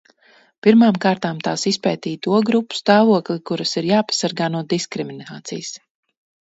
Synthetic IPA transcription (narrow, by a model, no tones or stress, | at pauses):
piɾmaːmkaːɾt̪aːmt̪aːsispɛːt̪iːt̪uɔɡɾupːu̥st̪aːvuɔklˠikuɾasiɾjaːpḁsaɾɡaːnuɔd̪iskɾiminaːt̪sḭjs